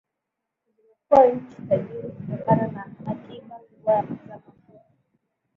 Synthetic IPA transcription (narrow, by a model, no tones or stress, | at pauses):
ilimɛkuaɲ̩t͡ʃi̥taʄiɾikutɔkananahakiɓa | wazamafua